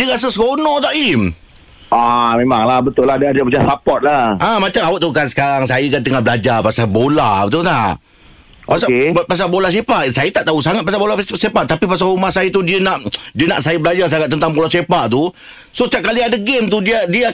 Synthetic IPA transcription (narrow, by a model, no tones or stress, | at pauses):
diəɣas̬əsəkonɔt̪aʔim | ʔamemaŋlahbət̪ʊlːadaadapəd͡ʒasapɔt̪̚laʔamat͡ʃamawoʔt̪aukansə̥kaɾaŋsajəkant̪əŋabəlad͡ʒapasabolabət̪ut̪aʔʔ | pasaepas̬abolas̬epaʔsajət̪aʔt̪ausaŋat̪̚pasabolasepaʔt̪apipas̬aɾumahsajət̪udiənaʔdiəna̰ʔsajəbəlad͡ʒas̬aŋat̪̚ənt̪aŋbolasepaʔt̪u | sosət̪iap̚kaliadaɡemt̪udiadia